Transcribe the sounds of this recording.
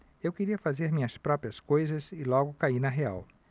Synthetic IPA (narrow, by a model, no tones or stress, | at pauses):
ewkeɾiɐfazeɾmĩɲɐspɾɔpɾiɐskojzɐzɪlɔɡʊkainɐɦea̰w